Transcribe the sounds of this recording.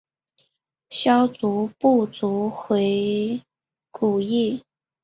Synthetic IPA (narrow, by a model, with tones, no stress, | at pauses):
ɕjɑ˥ʊt͡su˧˥pu˥˩t͡su˧˥xwe˧˥ɪ | ku˨˩i˥˩